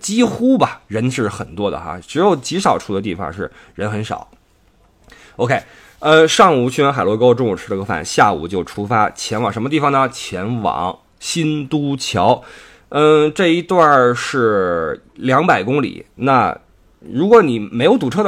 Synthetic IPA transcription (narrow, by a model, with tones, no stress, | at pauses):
t͡ɕi˥xu˥bɐ˨ɻə˧˥nʂɻ̩˥˩xə̰˨˩nt̪wɔ˥d̪ə̰˨xa̰˧˩ʈ͡ʂɻ̩˧˥jo˧˩ʊt͡ɕi˧˥ʂɑ˨˩ʊʈ͡ʂʰu˥˩d̪ə˦t̪i˥˩fɑ̰˨˩ŋʂɻ̩˥˩ | ɻə˧˥nxə˧˥nʂɑ̰˨˩˦ | o˥ʊkʰe˥ɪ | ə˥˧ʂɑ˥˩ŋu˨˩t͡ɕʰy˥ɛ˥nxa˨˩ɪlwɔ˧˥˧kʊ˧ʈ͡ʂʊ˥˧ŋju˨˩ʈ͡ʂ̩̪ʰ˥ə˧ko˥fa̰˨˩˦nɕja˥˩ṵ˨˩t͡ɕjo˥˩ʊʈ͡ʂʰu˥fa˥t͡ɕʰjɛ˧˥nwɑ̰˨˩ŋʂə˧˥mə˧t̪i˥˩fɑ˨˩ŋnə˧t͡ɕʰjɛ˧˥nwɑ̰˨˩˦ŋ | ɕi˥nt̪u˥t͡ɕʰjɑ˧˥ʊ | ə˥˩ʈ͡ʂɤ˥˩i˧˥t̪wa˥˧ʂɻ̩˥˩ | ljɑ˧˥ŋpa˨˩ɪkʊ˥ŋlḭ˨˩˦na˥˩ | ɻu˧˥kwɔ˧˥ni˨˩me˧˥ɪjo˧˥ʊt̪u˨˥˩ʈ͡ʂʰɤ˥d̪